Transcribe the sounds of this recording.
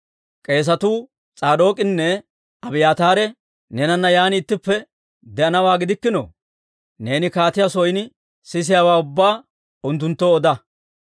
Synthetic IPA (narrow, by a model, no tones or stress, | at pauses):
kʼe̞ːs̬ɐt̪uː | t͡sʼaːd̪o̞ːkʼɪnːɛ | ɐbɪjaːt̪aːɾɛ | nɛnɐnːɐjaːnːt̪ːɪpːɛ | d̪ɛʔɐnɐwaːɡɪd̪ɪkːɪno̰ | ne̞ːnɪkaːt̪ɪjasɔjnɪ | sɪs̬ɪjaːwaːʊbːaː | ʊnt̪ːʊnt̪ːoːd̪ɐ